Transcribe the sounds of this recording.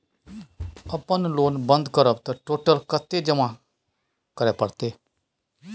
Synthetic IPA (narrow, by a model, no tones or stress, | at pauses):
əpənloːnbə̃nd̪kəɾəb̚t̪ãʈoːʈəlkət̪ːeːd͡ʒəmãː | kəɾeːpəɽt̪eː